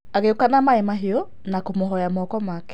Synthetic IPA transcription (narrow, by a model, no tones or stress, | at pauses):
aɣeokanamaɛmaɦeɔ | nakomoɦɔjamɔkɔmakɛ̥